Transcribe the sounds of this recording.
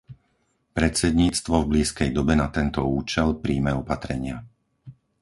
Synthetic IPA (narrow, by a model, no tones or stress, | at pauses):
pɾɛt̪t͡sɛd̪ɲiːt͡st̪ʋɔvbliːskɛjd̪ɔbɛnat̪ɛnt̪ɔuːt͡ʃɛlpɾiːmɛɔpat̪ɾɛɲɪa